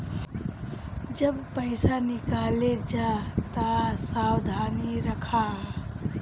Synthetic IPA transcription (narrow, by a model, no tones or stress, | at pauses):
d͡ʒəbpəɪsanikaled͡ʒat̪asawd̪ʱaniɾəkʰa